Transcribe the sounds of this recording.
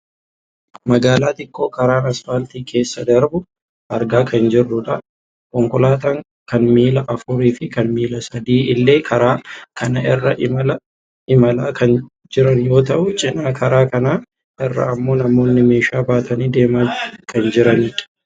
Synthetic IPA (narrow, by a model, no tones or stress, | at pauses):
mɐɡaːlaːt̪ɪkːo̞ːkɐɾaːnɐsfalt̪iːkʰe̞ːsːɐd̪ɐɾbʊ | ɐɾɡaːkʰɐnd͡ʒɪrːʊᶑɐ | kʼɔŋkʊlaːt̪ɐŋ | kɐnmiːlɐʔɐfʊɾiːfɪkɐnmiːlɐsɐd̪iːɪlːe̞ːkʰɐɾaːkʰɐnɐʔɪrːɐʔɪmɐlɐ | ɪmɐlaːkɐn | d͡ʒɪɾɐnjo̞ːt̪ɐʔʊt͡ʃʼɪnaːkʰɐɾaːkɐnaː | ʔɪrːɐ̰ːmːo̞ːnɐmo̞ːnːɪme̞ːʃaːbaːt̪ɐniːd̪e̞ːmaːkʰɐnd͡ʒɪɾɐniᶑɐ̥